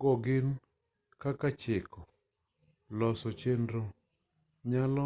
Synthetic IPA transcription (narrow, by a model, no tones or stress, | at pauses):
ɡɔɡɪn | kakat͡ʃɪkɔ | lɔsɔt͡ʃendɾo | ɲalɔ